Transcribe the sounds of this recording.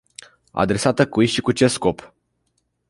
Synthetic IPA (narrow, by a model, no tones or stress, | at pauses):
a̰d̪ɾe̞sat̪əkujʃikut͡ʃe̞sko̞p